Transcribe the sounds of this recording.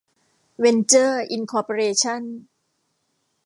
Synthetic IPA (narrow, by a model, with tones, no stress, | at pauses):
we˧nt͡ɕɤː˥˩ʔi˧nkʰɔː˧poː˧ɾeː˧t͡ɕʰa˥˩n